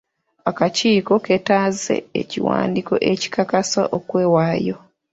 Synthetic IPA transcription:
akaciːko̞ketaze̞̰ḛciwa̰ːndiko̞̰ʔeci̥kakasa̰ʔokwe̞ːwaːjo

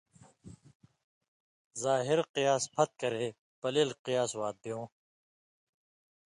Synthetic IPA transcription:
zaːɦiɾqijaːspʰɐt̪̚kɐɾeː | pɐleːlqijaːswaːd̪̚bijõː

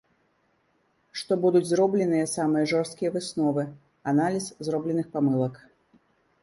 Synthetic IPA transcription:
ʂt̪ɔbud̪ud͡zʲzrɔblʲɛnɨjɐsamɨjɐʐɔrst̪̚kʲijɐvɨsnɔvɨ | analʲiszrɔblʲɛnɨxpamɨlˠɐk

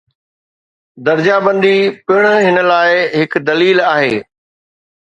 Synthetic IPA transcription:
d̪ɐɾd͡ʑabə̃nd̪ipɪɽ̃əɦɪnə̆laːɪɦɪk̆d̪ɐliːlaːɦeː

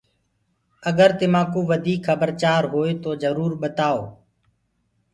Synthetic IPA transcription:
əɠəɾt̪ɪmãːkuːʋəd̪ʱiːkʰəbəɾt͡ʃaːɾɦoːeːt̪oːzəɾuːɾɓət̪aːoː

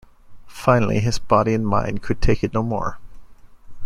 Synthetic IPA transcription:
fãɪ̃nl̩ˠḭɨzbɑɾiɨ̃nmã̰ɪ̃nkʰɨd̚tʰeɪkɨtⁿnoʊmɔ̰ɹ

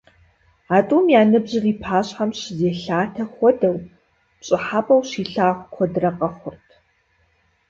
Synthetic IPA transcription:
aːtʼuːmjaːnɨbʑɪriːpʰaːɕħamɕzeːɬaːtʰɐxʷɔdɐw | pɕʼɪħapʼɐwɕiːɬaːχʷkʷʰɔdrɐqʼɐχʷʊrtʰ

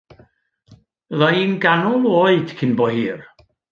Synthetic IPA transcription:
əðaiːnɡanɔlˠoɨd̥kʰɪnbɔhiːr

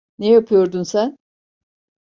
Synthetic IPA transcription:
nejapʰɯjo̞ɾd̪unsæn

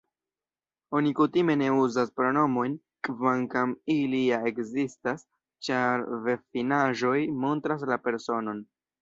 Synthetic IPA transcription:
o̞nikutime̞ne̞uzaspɾo̞no̞mo̞jn | kvaŋkamiliae̞kzistas | t͡ʃaɾve̞finaʒo̞jmo̞ntɾas̬lape̞ɾso̞no̞n

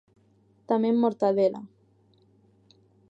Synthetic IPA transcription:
t̪amemːoɾt̪aðela̰

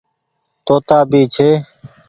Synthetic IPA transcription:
t̪oːt̪aːbʱiːt͡ʃʰeː

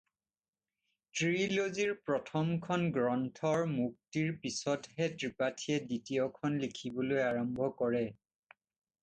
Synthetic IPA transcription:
tɹiloziɹpɹɔtʰɔmkʰɔnɡɹɔntʰɔɹmuk̚tiɹpisɔtɦɛtɹipatʰiɛditijɔkʰɔnlikʰibɔlojaɹɔmbʱɔkɔɹɛ

